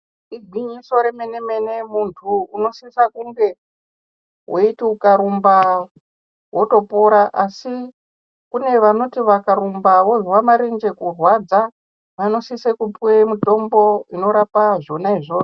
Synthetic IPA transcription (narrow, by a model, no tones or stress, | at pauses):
iɡʱwiɲiso̞ɾeme̞neme̞ne̞muntʰuːno̞sisakuŋɡe̞ | wʔoitiukaɾumba | wo̞to̞poɾaʔasi | kune̞ʋano̞tiʋakaɾumbaʋo̞zwamaɾend͡ʒe̞kurwad͡za | ʋano̞sisekupwemuto̞mbo̞ino̞ɾapaʐo̞naiʐo̞ːo